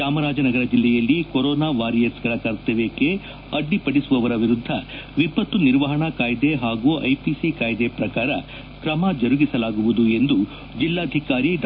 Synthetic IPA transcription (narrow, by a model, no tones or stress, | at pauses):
aːmɐɾaːd͡ʒɐnɐɡɐɾɐd͡ʒilːɛjɐlːikoɾɔːnaːʋaːɾijesɡɐɭɐkɐɾt̪eʋeke | ɐɖːipɐɽisuʋɐʋɐɾɐʋiɾud̪ʱːɐʋipːɐt̪ːuniɾʋɐɦɐɳɐkaːjd̪eɦaːɡuːʔɐ̰jpisikaːjd̪e̞pɾɐkaːɾɐ | kɾɐmad͡ʒɐɾuɡisɐlaːɡuʋud̪ue̞nd̪u | d͡ʒilːaːd̪ʱikaːɾiɖ